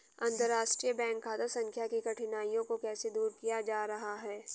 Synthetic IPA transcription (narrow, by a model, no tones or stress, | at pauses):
ɐ̃nd̪əɾaːʃʈɾijəbɛ̃ːŋkːaːd̪əsɐ̃ŋkʰjakikɐʈʰɪnaːijõkokɛːsed̪uːɾkijad͡ʒaːɾɐɦaɦɛː